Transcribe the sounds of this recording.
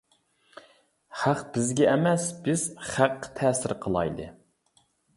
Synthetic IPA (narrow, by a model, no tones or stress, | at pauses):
χæqb̥ɪzɡʲɛʔːmɛsb̥ɪz̥χæqːt̪ʰɛːsɪɾqʰəlˠɑ̰jd̪ɨ̰